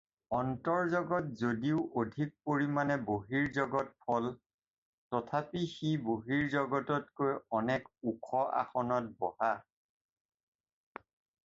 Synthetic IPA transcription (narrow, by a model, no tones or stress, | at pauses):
ɔntɔɹzɔɡɔtzodiʊʔodʱik̚poɹimanɛboɦiɹzɔɡɔt̚pʰɔl | tɔtʰapixiboɦiɹzɔɡɔtɔtkojɔnɛkukʰɔʔa̰xɔnɔt̚bɔha